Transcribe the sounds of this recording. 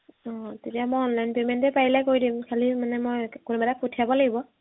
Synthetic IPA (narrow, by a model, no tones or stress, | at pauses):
ɔtetiamojɔnlajnpementɛpaɹilajkoɹjdimkʰalimanɛmojkunubatak̚potʰijabɔlaɡibɔ